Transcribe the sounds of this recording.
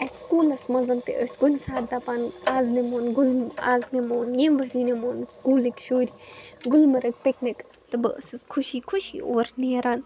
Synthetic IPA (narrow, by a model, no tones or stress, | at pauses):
ɐsʲskuːlɐsmɐzɐnt̪ḛʔəsʲɡunʲsaːɾd̪ɐpaːnaːznemoːnɡʊlaːznemoːnjeːmbɐɾiːnemoːnskuːlikʃoːɾʲiɡʊlmɐɾɐk̚piknikt̪ɨbɨə̰sɨzkʰʊʃiːkʰuʃiːoːɾneːɾaːn